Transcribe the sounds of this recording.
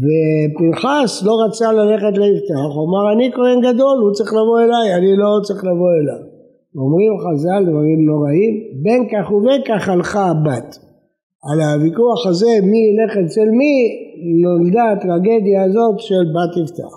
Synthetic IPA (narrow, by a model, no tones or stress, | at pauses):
vepinχaslo̞ʁat͡salale̞χet̪leivt̪aaχuamaʁanikoenɡad̪o̞lhut͡saʁiχlavo̞e̞lajanilo̞t͡saʁiχlavo̞elav | omʁimχazald̪vaʁimno̞ʁaimbe̞nkaχuvenkaχalχabat̪ | alavikuaχaze̞miile̞χeselminold̪aːt̪ʁaɡe̞d̪jaːzo̞t̪ʃelbat̪ift̪a̰aχ